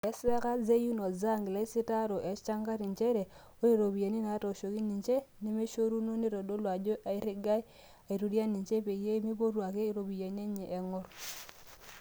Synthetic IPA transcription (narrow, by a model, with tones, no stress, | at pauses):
ɛ˦sɛ˦ka˦ze˦ju˦no˨za˦˨ŋɡla˨˦i˦si˦ta˦ɾo˨ʔe˨˦t͡ʃa˦ŋka˦ɾi˨ɲt͡ʃe˦ɾe˨ | o˦i˦ɾo˨bi˨je˨ni˦na˨˦to˨ʃo˨ki˦ni˨ɲt͡ʃe˦ni˦me˦ʃo˦ɾu˦no˦ni˦ɾo˨do˦lwa˨d͡ʒo˦ʔa˨i˦ɾɪ˦ɡa˦j | a˨i˨ɾu˨ɾja˦ni˨t͡ʃe˦pe˨je˦mi˦bo˦ɾwa˨ke˦i˨˦ɾo˨bi˨je˨ni˦e˦ɲe˨ʔe˨ŋɔ˦ɾ